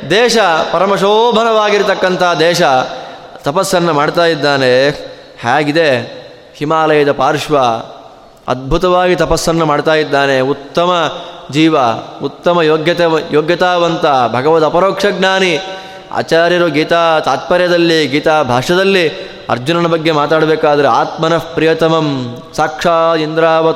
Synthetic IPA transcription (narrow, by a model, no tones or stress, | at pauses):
d̪ɛːʃɐpɐɾɐmɐʃoːbʱɐnɐʋaːɡiɾt̪ɐkːɐnt̪ʰɐaad̪ɛːʃɐt̪ɐpɐsːɐnːɐmaːɽt̪aːjid̪ːaːne | haːɡid̪e | himaːlɐjɐd̪ɐpaːɾʂʋɐ | ɐ̰d̪̚bʱut̪ɐʋaːɡit̪ɐpɐsːɐnːɐmaːɽt̪aːjid̪ːaːneut̪ːɐmɐd͡ʒiːʋɐut̪ːɐmɐjoːɡjɐt̪ejoːɡjɐt̪aːʋɐnt̪ɐbʱɐɡɐʋɐt̪ɐpɐɾoːkʂɐɡnaːni | a̰ːt͡ʃaːɾjɐɾuɡiːt̪aːt̪aːt̪̚pɐɾjɐd̪ɐlːiɡiːt̪aːbʱaːʂɐd̪ɐlːi | ɐ̰ɾd͡ʒunɐnɐbɐɡːe̞maːt̪aːɽɐbeːkaːd̪ɐɾeaːt̪mɐnɐpɾijɐt̪ɐmɐm | saːkʂaːind̪ɾaːʋɐ